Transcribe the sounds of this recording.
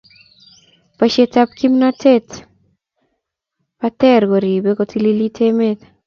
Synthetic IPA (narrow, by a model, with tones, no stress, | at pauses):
pa˨ʃe˦ta˦p̚ki˦mna˦te˦t | pa˦t̪ɛ˦ɾɡo˨ɾi˨be˦ko˦ti˦li˦li˦tʰe˦me˦t̪